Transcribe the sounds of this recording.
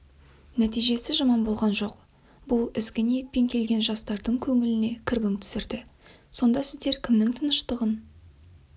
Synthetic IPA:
næt̪ijʒe̞sɪʒɑmɑnbo̞lˠʁɑnʒo̞q | bʊlˠɪzɡʲɪnije̞t̪̚pe̞ŋkʲʰe̞lɡʲe̞nʒɑst̪ɑɾd̪əɴkʲʰɵŋɪlɪne̞kʲʰɪɾbɪŋt̪ʰʏ̥sɪɾd̪ɪ | so̞nd̪ɑsɪzd̪e̞ɾkʲʰɪmnɪŋt̪ʰənəʃt̪əʁən

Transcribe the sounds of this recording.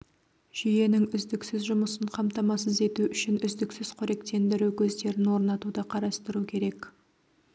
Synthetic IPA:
ʒ̥ije̞nɪŋʏzd̪ɪksɪzʒʊməsəɴqʰɑmt̪ɑmɑsəze̞t̪uʔʏʃɪnʏzd̪ɪksɪz̥qʰɵɾe̞k̚t̪e̞nd̪ɪɾuwkʲʰɵzd̪e̞ɾɪnwo̞ɾnɑt̪ud̪əqʰɑɾɑst̪əɾukʲʰe̞ɾe̞k

